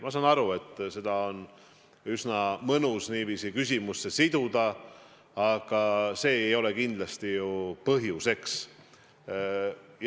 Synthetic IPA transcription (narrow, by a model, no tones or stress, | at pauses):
mɑsɑnɑɾue̞t̪ːˑse̞d̪̥ɑo̞n | ysnɑmɤnusniːviːsikys̬ʲimusːe̞sid̪̥ud̪̥ɑ | ɑɡ̥ɑse̞ːejo̞le̞kind̪̥lɑst̪ijupɤɦjuse̞ks | j